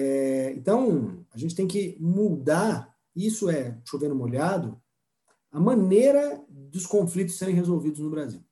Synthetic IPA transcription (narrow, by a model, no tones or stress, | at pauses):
ɛḛ̃nt̪ɐ̃w̃ɐʒẽnt͡ʃɪt̪ẽj̃kɪmud̪aɾ | isʊɛʃovẽnʊmolad̪ʊ | ɐmɐ̃neɾɐd̪ɪʊskõflit̪̬ʊ̥seɾẽj̃hezowvid̪ʊznʊbɾaziw